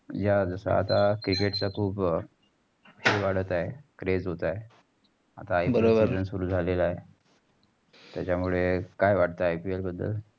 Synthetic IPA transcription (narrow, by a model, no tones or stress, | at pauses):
d͡ʑad͡zəsa̰a̰t̪akɾikeʈt͡sakʰuːb | eʋaɽ̤ət̪aekɾed͡zɦot̪ae | a̰t̪aːjbəɾobəɾənsuɾuːd͡zʱalelae | t̪jat͡ɕamuɭekajʋaɽt̪aajpielbəd̪ʱːə̰l